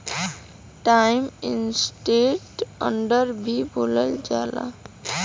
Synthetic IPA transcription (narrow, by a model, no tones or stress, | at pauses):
ʈajminsʈeʈʌ̰ɳɖəɾbʱibʱoləld͡ʒala̰